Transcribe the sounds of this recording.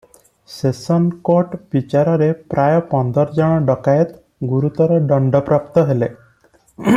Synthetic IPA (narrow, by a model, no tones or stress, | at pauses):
sesɔnkoɾʈbit͡ʃaɾɔɾepɾʔajɔpɔnd̪ʱɔɾd͡ʒɔɽ̃ɔɖɔkajet̪ | ɡuɾut̪ɔɾɔɖɔɳɖɔpɾapt̪ɔɦele